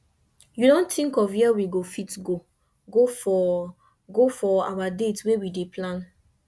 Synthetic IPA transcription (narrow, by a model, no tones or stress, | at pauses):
judɔ̃ntĩŋkɔvɛwiɡofitɡo | ɡofɔ | ɡofɔawadetwewideplãn